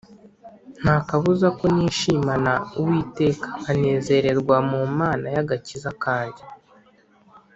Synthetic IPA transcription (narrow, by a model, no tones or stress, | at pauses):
n̥haːkaβuzako̞niːʃiːmanauwiːte̞ːkḁːne̞ːze̞ɾe̞ɾɡwamumaːnajaɡacizakaːndi